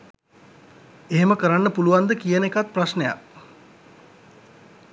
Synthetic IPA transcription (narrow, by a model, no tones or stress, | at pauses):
eɦeməkəɾanːəpuluʋand̪əkijənekat̪̚prasneja̰k